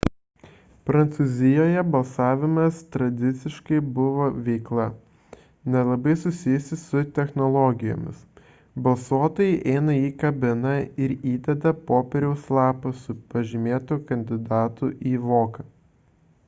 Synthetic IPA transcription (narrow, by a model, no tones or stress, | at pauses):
pɾɐnt̪suːzʲɪjoːjɛbɐlˠsɑːʋʲɪmɐst̪ɾɐd̪ʲɪt̪sʲɪʃkɐɪbʊʋoːʋʲɛɪklˠɐ | nʲɛlˠɐbɐɪsʊsʲɪjʊsʲɪsʊt̪ʲɛxnɔlˠɔɡʲɪjo̰ːmʲɪ̰s | bɐlˠsuɔt̪oːjɛɪʔɛɪnɐiːkɐbʲɪnɐɪɾiːd̪ʲɛd̪ɐpoːpʲɛɾʲɛʊslˠɑːpɐsʊpɐʒʲɪmʲeːt̪ʊkɐnʲd̪ʲɪd̪ɑːt̪ʊʔiːʋoːkɐ